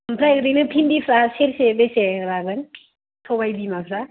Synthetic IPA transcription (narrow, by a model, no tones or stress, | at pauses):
mpʰɾajɡɯdenɯpʰinbipʰɾaseɾsebeseɾaɡɯn | tʰobajbimapʰɾa